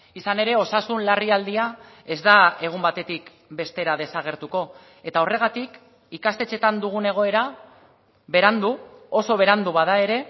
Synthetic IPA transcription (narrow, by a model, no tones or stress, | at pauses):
isane̞ɾe̞o̞sasunlariald̪iae̞zd̪ae̞ɣ̞umbat̪e̞t̪ik | be̞st̪e̞ɾað̞e̞saɣ̞e̞ɾt̪uko̞ | e̞t̪ao̞re̞ɣ̞at̪ik | ikast̪e̞t͡se̞t̪and̪uɣ̞une̞ɣ̞o̞e̞ɾa | βe̞ɾand̪uo̞so̞β̞e̞ɾand̪uβaðae̞ɾe̞